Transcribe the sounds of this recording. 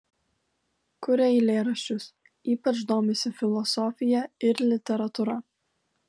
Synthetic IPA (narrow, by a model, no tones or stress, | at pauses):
kʊɾʲɛɪlʲeːɾɐʃʲt͡ʃʲʊs | iːpɐt͡ʃd̪oːmʲɛsʲɪfʲɪlˠɔsɔːfʲɪjɛɪɾlʲɪt̪ʲɛɾɐt̪ʊɾɐ